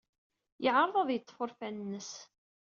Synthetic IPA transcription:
jəʕɾˤðˤɑðˤjət̪ˤːfʊɾfænnːəs

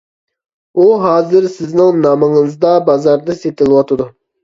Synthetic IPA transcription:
uɦɑːzɨɾsɪznɪŋnɑməŋəzd̪ɑbɑzɑɾd̪ɨset̪ɪlˠwɑt̪ʰɨd̪u

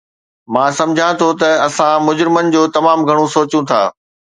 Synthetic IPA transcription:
mãːsɐ̃md͡ʑʱãt̪ʰot̪ɐɐsãmʊd͡ʑɾɪmənɪ̆d͡ʑoːt̪ɐmaːmɡʱɐɽ̃osoːt͡ɕũt̪ʰa̰ː

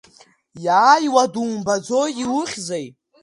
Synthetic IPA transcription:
jaːjwaduːmbad͡zojiwʊχʲzaj

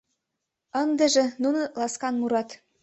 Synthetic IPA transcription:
ɤ̆nd̪ɘ̆ʒĕnunŏlɑskɑnmuɾɑt̪

